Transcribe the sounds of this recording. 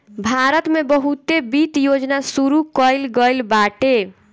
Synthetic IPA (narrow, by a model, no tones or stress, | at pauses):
bʱaɾət̪mebəɦut̪ebit̪jod͡ʒnasuɾukəjlɡəjlbaʈe